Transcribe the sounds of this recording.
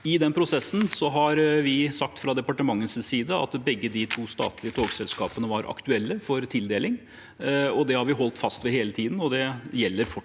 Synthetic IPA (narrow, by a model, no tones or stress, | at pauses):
ɪd̪ɛnpʰɾʊsɛsːn̩sɔɦɑɾʋɪsɑk̚t̪fɾɑd̪ɛpɑʈəmɑŋːənssiːd̪əɑ̰t̪bɛɡːəd̪ɪt̪ʰuːst̪ɑ̰ːt̪lɪət̪ʰoːɡsɛlskɑ̰ːpənəʋɑɾʔɑ̰kt̪ʉɛlːəfɔɾt̪ʰɪld̪eːlɪŋ | ɔd̪ɛhɑɾʋɪɦɔlt̪fɑst̪ʋɛheːlət̪ʰiːd̪n̩ɔd̪ɛjɛlːəɾfɔ